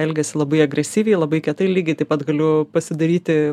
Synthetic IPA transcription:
ɛlʲɡʲɛsʲɪlˠɐbɐɪɐɡɾʲɛsʲiːʋʲɛɪlˠɐbɐɪkʲɛt̪ɐɪlʲiːɡʲɛɪt̪ɐɪpɐt̪ɡɐlʲʊpɐsʲɪd̪ɐɾʲiːt̪ʲɪ

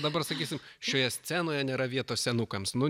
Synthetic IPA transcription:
d̪ɐbɐrsɐkʲiːsʲɪmʃʲoːjɛsʲt͡s̪ʲæːnoːjɛnʲeːɾɐʋʲiɛt̪oːsʲsʲɛnʊkɐmsnʊ

